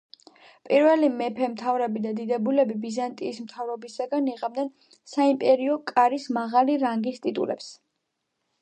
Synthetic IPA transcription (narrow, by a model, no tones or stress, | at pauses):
pʼiɾvɛlimɛpʰɛmt̪ʰavɾɛbid̪ad̪id̪ɛbulɛbibizant̪ʼiːsmt̪ʰavɾɔbisaɡaniʁamd̪ɛn | saimpʼɛɾiɔkʼaɾismaʁaliɾaŋɡist̪ʼit̪ʼṵlɛ̰ps